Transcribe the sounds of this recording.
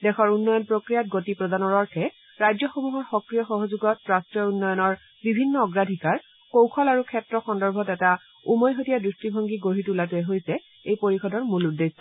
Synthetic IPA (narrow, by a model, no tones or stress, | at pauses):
dɛxʰɔɹunːɔjɔnpɹokɹijat̚ɡotipɹɔdanɔɹɔɹkʰɛ | ɹajzɔxomuɦɔtxɔkɹijɔxɔɦozuɡɔt̚pɹastɹijɔunːɔjɔnɔɹ | bibʱinːɔɔɡɹadʱikaɹ | kowkʰɔlaɹukʰɛtɹɔxɔndɔɹbʱɔtɛta | umɔjɦotijadɹistibʱɔŋɡiɡoɹitulatuɛɦojsɛ | ejpoɹixɔdɔɹmuludːes